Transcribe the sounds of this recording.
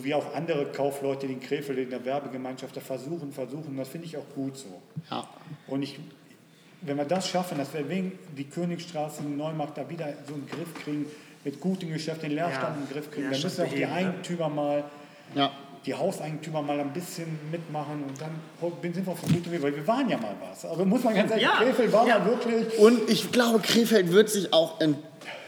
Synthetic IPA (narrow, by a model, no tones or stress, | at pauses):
zoːviːaʊxʔandəʁəkʰaʊflɔʏtədeːnkʁ̥eːfl̩ɪndeɐvɛɐbəɡəmaɪ̃nʃaft̚d̥aːfɛɐzuːχn̩fɛɐzuːxnnd̥asfɪndəɪçaʊxɡ̥uːtz̥o̰ː | ʔʊntɪç | vɛnviːɐdasʃafn̩d̥asv̥iːɐveːdiːkʰøːnɪçsʃtʁ̥aːsədɪnːɔʏmaɐk̚d̥aːviːdɐzoːɪnɡʁɪfkʁ̥iːɡŋ̩ | mɪtɡ̥uːtəmɡəʃɛftd̥eːnleːɐʃtantɪnɡʁɪfkʁ̥iːɡŋ̩vaɐmʏsn̩aʊd̥iːʔaɪɡŋ̩tʰyːmɐmaːl | d̥iːhaʊsʔaɪɡŋ̩tʰyːmɐmaːlaɪnbɪsçənmɪtmaχənʊntd̥anhɔbɪnzɪntviɐaʊfɪmuːtviːvaɪlviːɐvaːʁənjaːma̰ːlva̰sʔalzomʊsmanɡanszaːkʁeːfɛltvaːɐmaːvɪɐtlɛlçʊntɪçɡ̥laʊbəkʁ̥eːfɛltv̥ɪɐtz̥ɪçaʊxɪn